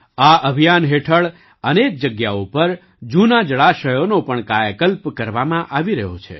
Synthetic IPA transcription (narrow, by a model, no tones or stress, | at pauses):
aʔəbʱijanɦeʈʰəɭ | ənek̚d͡ʒəɡjaupəɾ | d͡ʒunad͡ʒəɭaʃəjonopəɳkajəkəlpkəɾʋamãʔaʋiɾəɦo̰t͡ʃʰḛ